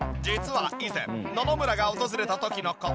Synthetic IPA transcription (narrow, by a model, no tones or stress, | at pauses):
d͡ʑit͡sɨβaizẽ̞̰nono̞mɯ̟ɾaɡaot̪o̞zɨɾe̞t̪at̪o̞kʲino̞ko